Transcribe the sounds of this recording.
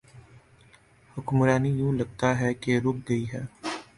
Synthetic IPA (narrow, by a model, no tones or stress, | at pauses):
hʊkmɾaːnijũːlɐɡ̚t̪aɦɛkeɾʊk̚ɡɐiɦɛː